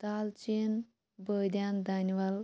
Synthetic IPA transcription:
t̪alt͡ɕin | bəd̪jand̪ʱaniʋal

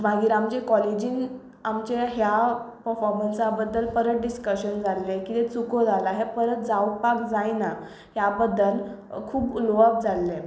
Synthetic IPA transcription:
maɡiːɾamt͡ɕekɔlid͡ʑiːn | amt͡ɕeɦjapəɾfɔɾmənsabəd̪ʱːəlpəɾət̪̚ɖiskəɕənd͡zalːekit̪et͡sukod͡zʱalaɦepəɾət̪̚d͡zawpakd͡zajna | ɦjabəd̪ʱːəlkʰuːbloap̚d͡zalːe

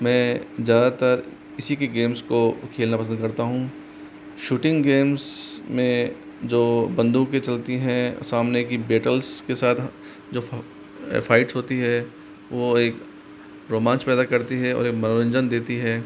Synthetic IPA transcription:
mɛ̃ːzjaːd̪at̪ɐɾ | ɪsikeɡeːmskokʰeːlnapɐs̬ə̃nd̪̚kɐɾt̪aɦũ | ʃuːʈɪ̃ŋɡɡeːmzmẽ | d͡ʒoːbɐ̃nd̪ũket͡ʃɐlt̪iɦɛ̃saːmnekibeːʈəlskesaːt̪ʰ | d͡ʒo̰ː | fʰaːɪʈsɦoːt̪iɦɛ | ʋoeːk | ɾoːmãːnspɛːd̪akɐɾt̪iɦɛɔ̰ːɾeːkmɐnoɾə̃ɲd͡ʒənd̪eːt̪iɦɛː

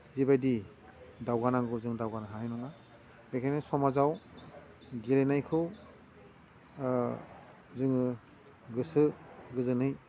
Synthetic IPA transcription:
zibajdi | dawɡanaŋɡɯzɯŋdawɡanaɦaajnɔna | bekʰanɯsɔmazaw | ɡiɾenajkʰɯw | zɯŋɯ | ɡɯsɯɡɯzɯnɯj

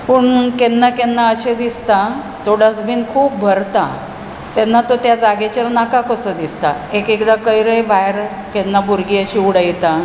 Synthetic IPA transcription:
pəɳkenːakenːaəɕed̪ist̪a | t̪oɽəsbiːnkʰuːp̚bʱəɾt̪a | t̪ɛnːat̪ot̪jad͡zaɡet͡ɕaɾnakakəsəd̪ist̪aekekd̪akəjɾebaɦɾ | kɛnːabuɾɡiəɕiːuɽəjt̪a

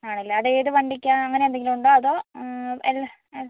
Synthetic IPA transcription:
aːɳilːɐɐðe̞ːðɨʋɐɳɖikʲːaːnɐŋːɐne̞end̪eŋɡilumuɳɖoːɐðoːelːɐ | elː

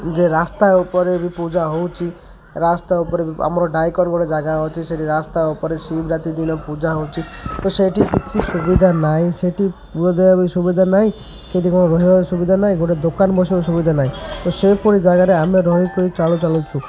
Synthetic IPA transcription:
d͡ʒeɾast̪aupɔɾebipud͡ʒaɦowt͡ʃʰi | ɾast̪aupɔɾebia̰mɔɾɔɖajkɔnbɔɽed͡ʒaɡaɦɔt͡ʃʰiseʈiɾast̪aupɔɾesibɾat̪id̪inɔpud͡ʒaɦowt͡ʃʰit̪oseʈikit͡ʃʰisubid̪ʱanaɦĩseʈipuɾɔd̪ebabisubid̪ʱanaɦĩ | seʈikɔɽ̃ɔɾɔɦibasubid̪ʱanaɦĩɡoʈed̪okanbɔsibɔsubid̪ʱanaɦĩt̪osepɔɾid͡ʒaɡaɾeameɾɔɦikoit͡ʃalut͡ʃalut͡ʃʰu

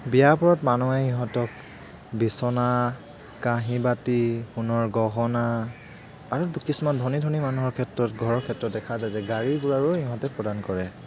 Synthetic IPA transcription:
bijapɔɹɔtmanɔɛɦiɦɔ̃tɔk | bisɔna | kaɦĩbatixunɔɹɡɔɦɔnaː | ɹudukisumandʱɔnidʱɔnimanuɦɔɹkʰɛtɹɔtɡʱɔɹɔɹkʰɛtɹɔt̚dɛkʰazajzɛɡaɹiɡuɹaɹuhiɦɔ̃tɛpɹɔdankɔɹɛ

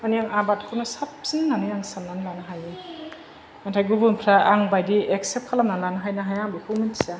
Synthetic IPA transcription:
anijaŋabatʰkʰunasap̚sinːanɯjaŋsannanlanaɦaji | antʰajɡubunpʰɾaaŋbajdieksep̚kʰalamnalanaɦajnaɦajaŋbukʰuminsa

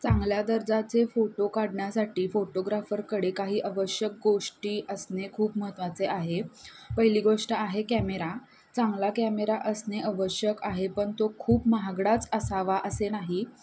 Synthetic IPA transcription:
t͡sãŋɡljad̪əɾd͡zat͡sefoʈokaɽɳjasaʈiːfoʈoɡɾafəɾkəɽekaɦiːʔəʋəɕjək̚ɡoʂʈiːʔəsnekʰuːpməɦət̪ʋat͡seʔaɦepəɦiliːɡoʂʈəaɦekæmeɾa | t͡sãŋɡlakæmeɾaʔəsneəʋəɕjəkaɦepəɳt̪okʰuːpməɦaɡɽat͡səsaʋaʔəsenaɦi

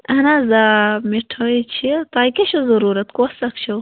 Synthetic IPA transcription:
ɐnazamiʈʰoit͡ʃʰit̪aːjkeɕozɐɾuːɾɐt̪kosɐkt͡ʃʰo

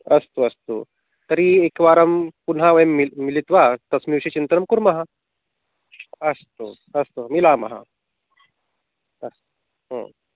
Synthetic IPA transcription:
əst̪oɐst̪o̰ | t̪əɾiekʋaɾəmpunɦaʋəjmːimilit̪ʋat̪əsmiʋʂet͡ɕint̪əɾəmkuɾmɐɦa | əst̪o̰ | əst̪omilamɐ̰ɦa̰ | əst̪o | ɦə̰̃

